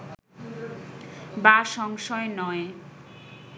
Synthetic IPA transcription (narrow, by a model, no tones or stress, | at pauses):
baʃɔŋʃɔenɔe